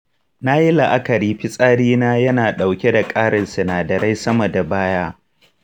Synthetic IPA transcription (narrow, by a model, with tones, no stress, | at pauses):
naː˦ji˦lɐ˨ʔa˦kɐ˨ɾiː˦ɸɪ˦sʼaː˦ɽiː˦naː˦jɐ˦naː˨ɗa˨wkʲe˦da˨kʼaː˦ɽɪ˨nsɐ˨naː˨dɐ˨ɾa˦jsɐ˦mɐ˨da˨baː˦jaː˦